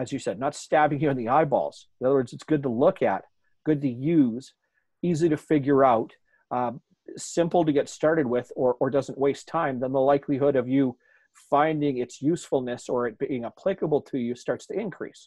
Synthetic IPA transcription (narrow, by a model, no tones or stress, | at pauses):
ɨzjɨsɛdⁿnətstæbɪ̃ŋjɨɨ̃nðiaɪbɔ̰lˠz̥ | nʌðə˞wɜ˞dzɨtsɡ̥ʊd̚təlʊkʰɨ̰t̚ | ɡ̥ʊd̚tʰɨjʉz̥ | iziɾɨfɪɡjə˞aʊt | sɪ̃mpl̩ˠtɨɡɛtstɑɹɾɨd̚wɪðə˞ʔə˞dʌzə̃n̩ʔweɪstʰãɪ̃mðə̃nðəlaɪkʰliɦʊɾʌvjɨ | fãɪ̃ndɪ̃ŋɨtsjʉsfl̩ˠnɨsə˞ɨt̚b̥iɪ̃ŋəpʰl̥ɪkəbl̩ˠtʰɨjɨstɑɹtstɨɪ̃nkʰɹ̥ḭs